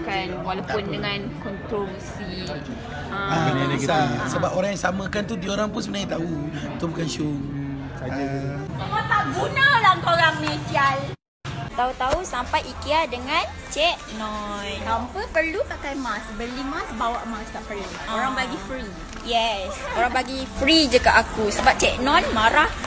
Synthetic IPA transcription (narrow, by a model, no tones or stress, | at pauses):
kanwalapʊndəŋãnkɔnt̪ɾɔməsi | ãasasəbap̚oɾaŋjasamə̃kant̪udioɾaŋpunsəmənait̪aut̪ubukanʃuŋ | akat̪aʔɡunalaŋkoɾaŋnesial | t̪aut̪ausampajʔikiadəŋãn | t͡ʃɛʔ̚nɔnampəpərlupakajmasbəlimasbawaʔmastaʔpəlu | oɾaŋbaɡifɾi | jɛskoɾaŋbaɡifɾid͡ʒəkaʔakusəbap̚t͡ʃɛʔ̚nɔ̃nmaɾah